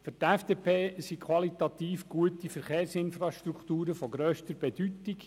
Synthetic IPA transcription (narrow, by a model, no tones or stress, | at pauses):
førtɛfd̥eːpʰeːsikʰwɑlit̪ɑt̪iːfɡ̥uətifɛɾχeːrsɪnfrɑʃtɾukt̪uːɾəfɔɡɾøːʃtəɾb̥ɛd̥ytik